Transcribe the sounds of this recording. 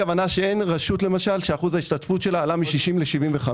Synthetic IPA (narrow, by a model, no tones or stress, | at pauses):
avanaʃee̞nʁaʃutle̞maʃalʃeaχuzaiʃtatfutʃe̞laːlamiʃiʃimleʃivimveχa